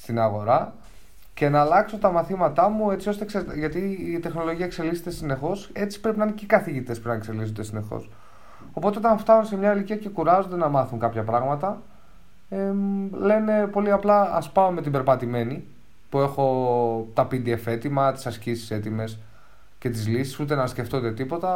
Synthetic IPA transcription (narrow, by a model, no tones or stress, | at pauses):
st̪inɐɣo̞ɾɐ | ce̞nɐːlɐkso̞t̪ɐmɐθimɐt̪ɐmue̞t͡sio̞st̪ekseɾʝɐt̪iːt̪e̞xno̞lo̞ʝiɐekse̞likset̪esine̞xo̞se̞t͡si̥pɾe̞pinɐinecekɐθiʝit̪espɾnɐekse̞lisond̪e̞sine̞xo̰s | o̞pot̪e̞ot̪ɐnft̪ɐnunse̞mɲɐiliciɐce̞kuɾɐzo̞nd̪e̞nɐmɐθunkɐpçɐpɾɐɣmɐt̪ɐ | ele̞ne̞po̞liɐplɐɐspɐome̞t̪ibe̞ɾpɐt̪ime̞ni | pue̞xo̞t̪ɐpid̪iefe̞t̪imɐt̪i̥sɐscisi̥se̞t̪ime̞s | ce̞t̪izlisi̥sut̪e̞nɐsceft̪ot̪e̞t̪ipo̞t̪ɐ